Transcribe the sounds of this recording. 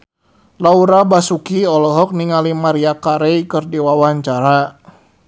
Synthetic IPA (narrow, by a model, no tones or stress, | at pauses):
lauɾabasukiɔlɔɦɔk̚niŋalimaɾiakaɾejkɨrdiwawaɲt͡ʃaɾa